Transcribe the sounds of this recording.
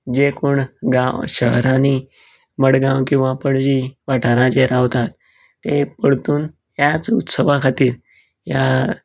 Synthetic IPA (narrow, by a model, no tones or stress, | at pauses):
d͡ʑekoɳɡãwɕəɦɾãni | məɽɡãwkĩw̃ʋapəɽd͡ʑiʋaʈʰaɾãd͡ʑeɾaʋt̪at̪ː | epəɽt̪uːn | jjat͡sut̪səʋakʰat̪iːɾ | ja